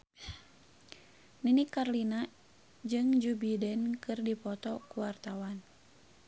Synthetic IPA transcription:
ninikːarlina | d͡ʒɨŋd͡ʒubidɛnkɨrdipɔt̪ɔkuwart̪awan

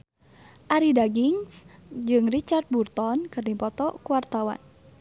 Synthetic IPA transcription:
ʔaɾidaɡiŋsd͡ʒɨŋrit͡ʃart̪̚burt̪ɔnkɨrnipɔt̪ɔkuwart̪awa̰n

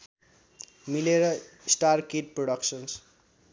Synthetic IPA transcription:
mileɾʌ | isʈarkeʈ̚proɽʌksʌns

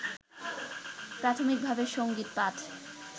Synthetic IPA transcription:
pɾat̪ʰomik̚bʱabeʃoŋɡit̪̚patʰ

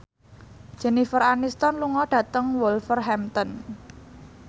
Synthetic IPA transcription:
d̥ʒ̥ɛ̤nifəɾanist̪ɔnluŋɔɖ̥ä̤t̪əŋwɔlfərɦɛmt̪ɔn

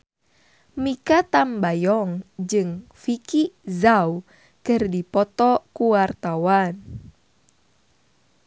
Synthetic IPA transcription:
mikat̪ambajɔŋd͡ʒɨŋfikizau | kɨrdipɔt̪ɔkuwart̪awan

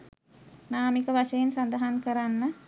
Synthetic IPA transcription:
naːmikəʋaʃəjensand̪əɦankəɾanːə

